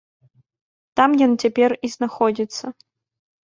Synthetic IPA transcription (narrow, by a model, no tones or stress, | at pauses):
t̪amjɔnt͡sʲapʲɛriznaxɔd͡zʲit̪sːɐ